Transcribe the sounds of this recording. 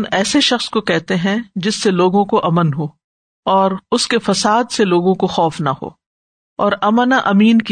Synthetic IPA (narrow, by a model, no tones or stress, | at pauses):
nɛːseʃɐxskokɛɦt̪eɦɛ̃d͡ʒɪsːeloːɡõkoʔɐmənɦoː | ɔːɾʊskefɐsaːd̪seloːɡõkoxɔːfnaho̰ː | ɔːɾɐmənaʔɐmiːnki